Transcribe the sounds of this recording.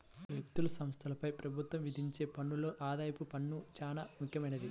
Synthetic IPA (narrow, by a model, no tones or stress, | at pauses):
ʋjɐk̚t̪ulɐsɐmst̪ʰɐlɐpɐjpɾɐbʱut̪wʋɐmʋid̪ʱiɲt͡ʃe̞ːpɐɳːulo̞ːʔaːd̪aːjɐpupɐɳːut͡ʃaːna̰ːmukʰjɐmɐjnɐd̪i